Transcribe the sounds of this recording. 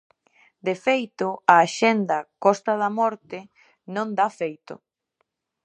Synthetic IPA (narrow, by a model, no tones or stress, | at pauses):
d̪efejt̪ʊaːʃend̪ɐkɔst̪ɐðɐmɔɾt̪ɪ | nõnd̪afejt̪ʊ̰